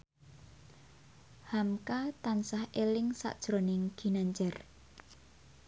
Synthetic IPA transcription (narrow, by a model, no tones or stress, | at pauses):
hamkat̪ansahʔelɪŋsa̰ʔd̥ʒ̥ɾonɪŋɡ̥i̤naɲd͡ʒɛr